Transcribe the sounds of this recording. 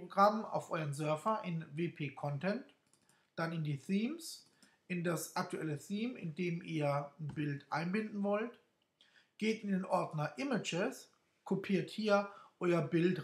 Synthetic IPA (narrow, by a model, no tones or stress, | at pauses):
ʁoɡʁama̰ʊfʔɔʏʁənzœɐfɐʔɪnveːpʰeːkʰɔntʰɛnt | d̥anɪndiːθiːms | ʔɪndasʔak̚tʰuʔɛləθiːmɪ̰ndeːmiːɐn̩bɪltʔa̰ɪnbɪndn̩vɔlt | ɡ̥eːtɪndeːnʔɔɐdnɐʔɪmɪd͡ʒɪs | kʰopʰiːɐthiːɐʔɔʏɐbɪlt